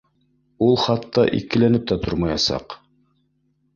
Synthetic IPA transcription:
ulˠχɑt̪ːɑ̰ʔḭkɘ̆lænɘp̚t̪æt̪oɾmɑjɑsɑ̰q

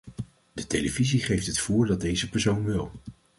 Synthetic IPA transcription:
d̥ətejləviziχejftɦətfʊːɹdɑd̚dejzəpɛɹsownʋɪlˠ

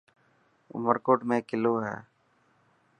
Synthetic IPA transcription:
ʊ̰məɾkoːʈmẽːkɪloːɦɛ̰ː

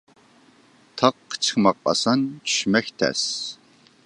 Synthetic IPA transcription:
tʰɐqːt͡ʃʰxmɐq̚ʼɐ̰sɐnʃmɐxt̪ʰɐ̰s

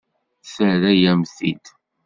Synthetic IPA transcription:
θəɾæjæmθḭd̪

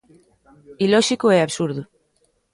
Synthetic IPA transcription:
iloʃikoeaβsuɾðu

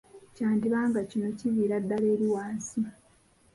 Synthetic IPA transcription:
caːndiβaːŋɡacino̞ciβiːɾadːaleːɾiwaːnsi

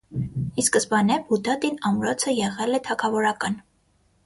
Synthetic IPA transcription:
iskəsbɑnɛbud̪ɑt̪inɑmɾɔt͡sʰəjɛʁɛlɛt̪ʰɑkʰɑvɔɾɑkɑn

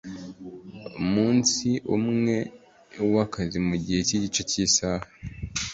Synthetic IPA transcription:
umuːnsiʔumŋe̞ | wakazimuɟiheciɟit͡ʃociːsaːha

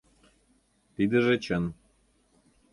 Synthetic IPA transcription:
t̪id̪ə̆ʒĕt͡ɕə̆n

